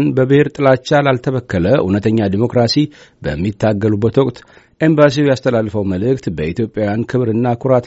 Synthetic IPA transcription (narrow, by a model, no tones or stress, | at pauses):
nbəbɨheɾt̪ʼɨlat͡ʃːalalt̪ʰəβəkːələʔṵnət̪ʰəɲːad̪imo̞kɾasi | bə̰mːit̪ʰːaɡːəlubːət̪wɔkʼt̪ | ʔe̞mbas̬iwjast̪ʰəlalːfəwməlɨkt̪bəit̪jo̞pʼjawjankʰɨβɾɨnːakʰuɾat̪